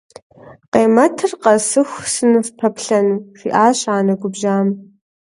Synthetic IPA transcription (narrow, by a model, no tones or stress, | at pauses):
qʼejmɐtʰɨrqɐsɨxʷsɨnɨvpʰɐpʰɬɐnʂʷiʔaːɕaːnɐɡʷʊbʒaːm